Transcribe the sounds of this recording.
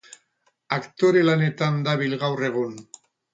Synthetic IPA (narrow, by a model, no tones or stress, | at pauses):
akt̪o̞ɾe̞lane̞t̪and̪aβilɣawre̞ɣ̞un